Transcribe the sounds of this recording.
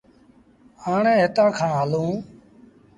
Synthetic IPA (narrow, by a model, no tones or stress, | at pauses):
aːɳẽːɦɪt̪ãːkʰãːɦəlũː